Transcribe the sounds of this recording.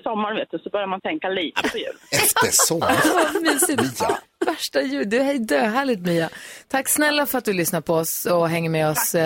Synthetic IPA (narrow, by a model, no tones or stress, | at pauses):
sɔmːaɳveːt̪̚d̪ɵsɔbœɾjaɾmant̪ʰɛŋkaliːt̪əpʰɔjʉ̟ːlɛft̪əɾssɔmːvamyːsɪ | væʂʈajʉ̟ːd̪ɵhɛjd̪øːɦæːɭɪt̪myːat̪ʰakːsnɛlːafœɾat̪̚d̪ɵlʏsnaɾpʰɔɔsɔɦɛŋːəɾmɛɔs